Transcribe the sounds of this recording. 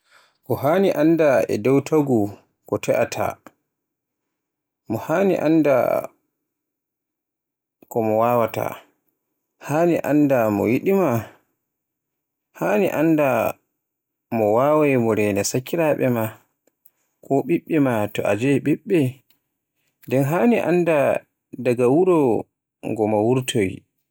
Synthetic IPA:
kɔɦaːniʔandaɛ̰dɛwtʰaɡu | kɔtʰɛʔatʰa̰ | mɔhaːnḭʔa̰nda̰ | kɔmɔwaːwata̰ | haːniʔa̰ndamɔ̰wiɗima | haːniʔanda | mɔwaːwajmɔɾɛnɛsakːiɾaɓɛma | kʰɔɓiɓːɛmatɔʔa̰d͡ʒɛɓiɓːɛ | ndɛnɦaːniʔa̰nda | daɡawuɾɔ | ŋɡɔmawuɾtʰoj

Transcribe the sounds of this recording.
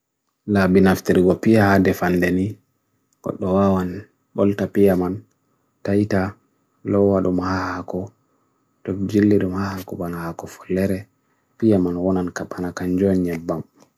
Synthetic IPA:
labinaftiɾɡɔpijahadɛfandɛni | ɡɔ̰ɗːɔwawan | ɓɔltapijaman | tajta | lɔwːaɗumhahakɔ | tɔd͡ʒilːiɗumhahakɔɓanahakɔfɔ̥lːɛɾɛ | pijamanwɔnankapːanakand͡ʒɔnɲabːam

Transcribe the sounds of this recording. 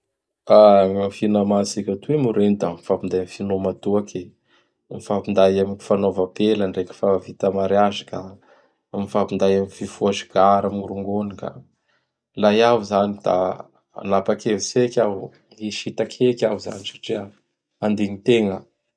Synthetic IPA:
aŋamfinamasikʲat̪uemuɾend̪amifapind̪ajmifinomat̪uakʰe | mifapind̪ajamiŋi̥fanovapelaɳrekʲi̥favit̪amaɾjaʒaka | mifapind̪ajamififuaʒiɡ̥aɾamiɾuŋɡonika̰ | lajaɦuzanid̪̥a̰ | a̰napakevisekʲaɦu | iʃit̪akʰekʲaɦuza̰nisḁʈ͡ʂia | and̪eɲit̪eŋə

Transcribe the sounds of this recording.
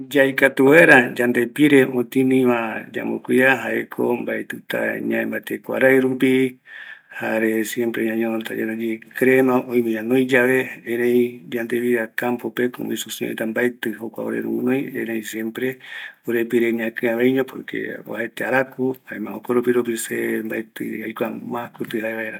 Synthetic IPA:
d͡ʒajkat̪uweɾad͡ʒand̪epiɾeʔot̪ĩnĩmãd͡ʒa̰mokʷiaɦaʔḛkʰo̰mbaet̪ɨt̪a̰ɲãẽmbat̪ekʷa̰ɾajɾũpi | haɾesjempɾeɲãɲõnot̪ad͡ʒanad͡ʒikɾenãʔõĩmẽɲãnõj̃d͡ʒaβeeɾẽjd͡ʒand̪eβiɾakampopeko̰misusio̰ʔit̪ambaet̪ɨɦokʷa̰oɾḛɾṵmũnõjeɾẽĩsjempɾeoɾepiɾeɲãkɨ̃ãβejɲõpoɾkʰḛo̰haet̪eaɾakuhaemãokoɾopiɾop̬isembaet̪ɨajkʷamãkut̪ɨɦaeβaeɾa

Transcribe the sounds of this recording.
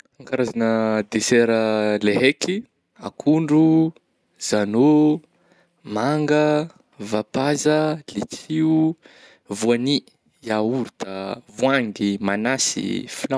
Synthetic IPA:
aŋkaɾazanəd̪esɛɾəleɦekʰi | a̰kʰuɳɖ͡ʐu | z̥ano | maŋɡə | vapazəlit͡sʰiu | vuani | jauɾut̪avuaŋɡimanasḭfila

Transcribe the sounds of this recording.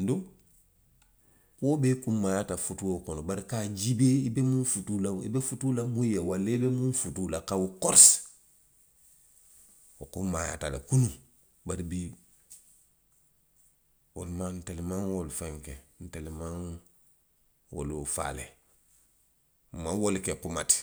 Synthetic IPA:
nduŋ | kobekumːajatafutuwokɔnobaɾikad͡ʒibeibemũfutulaḭbefutulamujjawalebemũnfutulakawukɔɾs | okumaja̰talḛkunu | baɾibi | woluman̩telimaŋwolufaŋken̩telimaŋ | wo̰lufa̰lḛ | mawolikekumati̥

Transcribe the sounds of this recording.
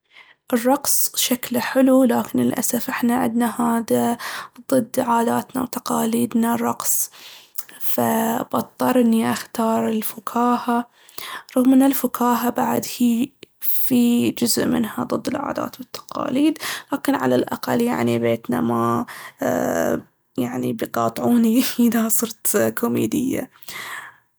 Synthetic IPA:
ʔɪrˤːɑqsˤʃaklħɪlulaːkɪnɪlʔa̰safʔɪħnaʕɪ̰d̪nahaːd̪ad̪ˤɨd̪ːʕaːd̪aːt̪na̰wt̪ɑ̥qɑːliːd̪narˤɑqsˤ | fabɑt̪ˤːɑɾˤʔɪnːiʔaxt̪ɑːɾˤɪlfʊkʰaːha | ɾˤɑɣmɪnːalfʊkʰaːɦabaʕad̪hiːfid͡ʒʊzʔmɪ̰nhad̪ˤɨd̪ːɪlʕa̰ːd̪a̰ːt̪bɪt̪ːḁqɑ̰ːliːd̪laːkɪnʕalalʔaqalːja̰ʕnibeːt̪na̰ma | jaʕnḭbjqɑːt̪ˤʕuːniɪdasˤɨɾt̪kʰomḛːd̪ɪjːa̰

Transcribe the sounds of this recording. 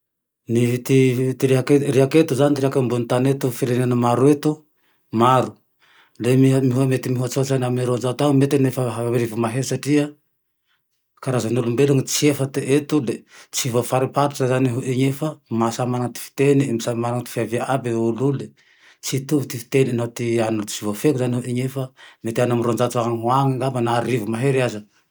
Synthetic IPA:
nit̪it̪iɾiakeriaket̪uzanit̪ɾiakambunit̪anet̪ufiɾenanəmaɾuet̪u | maɾu | lemimiɦuamet̪imiɦuat͡sozaniaminiɾozat̪amet̪inefaɦaɾivumaɦesaʈ͡ʂiə | kaɾazanulumbeluŋit͡siefat̪eʔet̪ulet͡sivofaɾipaɾuzazaniɦuʔiɲefamasamaɾaŋt̪i̥fi̥t̪eniemisamaɾaŋt̪i̥fiaviaʔabeulule | t͡sit̪uvt̪ifi̥t̪eninat̪ianut͡sivafekuzaniɦuʔiɲefəmet̪ianamiɾond͡ʒat͡saaŋɦwaŋiŋɡabanaɾivumaɦeɾiazə

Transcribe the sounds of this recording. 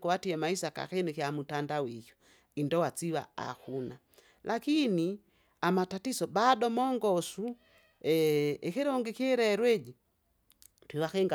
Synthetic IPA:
kuwatiɛmaisaka̰xɛnikiamutandawijɔ̥ | indɔwat͡siβa̰a̰kuna | lʔakini | amatatisɔbadɔmɔŋɡɔsu | ɛɛkɛɾɔŋɡɛkiɛɾɛːɾwɛd͡ʒi | twiwakɛŋɡa

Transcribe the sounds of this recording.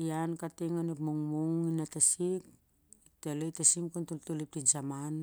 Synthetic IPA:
iankateŋanepmoŋmoŋinatasik̚ | teletasimkuntultulip̚tinsaman

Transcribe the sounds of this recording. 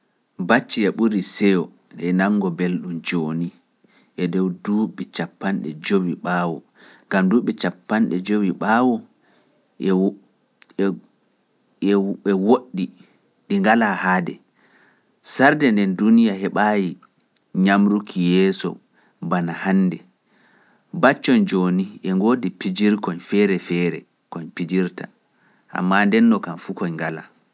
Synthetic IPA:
bat͡ʃːiɛɓuɾisɛjɔ | ɛnaŋːɡɔbelɗumd͡ʒoːni | ʔɛdɔwduɓɛt͡ʃapːanɗɛ̰d͡ʒowiɓaːwɔ | ŋɡamduːɓɛt͡ʃapːanɗɛd͡ʒowiɓawɔ | ɛwoɗːi | ɗiŋɡalahaːdɛ | saɾdɛndɛndunijahɛɓaːji | ɲamɾukʰijɛːsɔ̰ | banahanːdɛ | bat͡ʃːɔnd͡ʒoːniɛŋɡoːdipid͡ʒiɾkɔɲfɛɾɛfɛːɾɛ̰ | kɔɲpid͡ʒiɾta̰ | ʔa̰mːandɛnːɔkanfukɔɲŋɡala̰

